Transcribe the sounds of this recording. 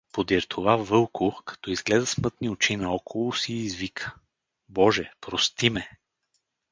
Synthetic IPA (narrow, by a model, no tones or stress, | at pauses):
pod̪iɾt̪ʰovavɤlˠkʰʊkɐ̥t̪ɔizɡlɛd̪ɐsmɤt̪niot͡ʃinɐɔkʰolˠʊsiːzvikʰə̥ | bɔʒɛpɾost̪imɛ